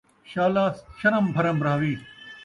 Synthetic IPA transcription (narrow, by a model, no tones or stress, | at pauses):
ɕaːlaːsʃɐɾɐmbʱɐɾɐmbɾaːʋiː